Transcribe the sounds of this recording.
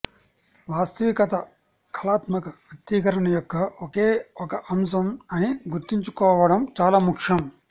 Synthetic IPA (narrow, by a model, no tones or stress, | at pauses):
ʋaːst̪ɐʋikɐt̪ɐ | kʰɐlaːt̪mɐkɐʋjɐt̪iːkɐɾɐɳɐjɔkːɐokeːɔkɐʔɐms̬ɐmɐniɡuɾt̪iɲt͡ʃukɔːʋɐɽɐmt͡ʃaːlaːmukʂɐm